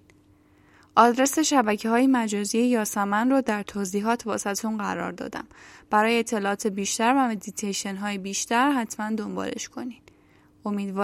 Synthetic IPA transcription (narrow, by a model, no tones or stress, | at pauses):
ʔɒːd̪ɾe̞se̞ʃæbæcʰeɦɒːjemæd͡ʒɒːziejɒːsæmænrɒːd̪æɾt̪ʰoːziːɦɒːt̪ʰvɒ̰ːsæt̪unɢæɾɒ̰ːɾd̪ɒ̰ːd̪æ̰mb̥æɾɒːjeːt̪ʰːe̞lɒːʔːt̪ʰebiːʃt̪æɾvæme̞d̪it̪ʰejʃenɦɒːjebiːʃt̪æɾɦæt̪ʰmænd̪o̞mbɒ̰ːle̞̰ʃkʰo̞niːd̪̥ | o̞miːd̪vɒː